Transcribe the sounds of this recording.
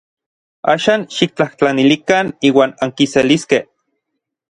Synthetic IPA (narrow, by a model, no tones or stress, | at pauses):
a̰ːʃaːnʃik̚t͡ɬaht͡ɬanilikaniːwaːnaŋkiseliskeh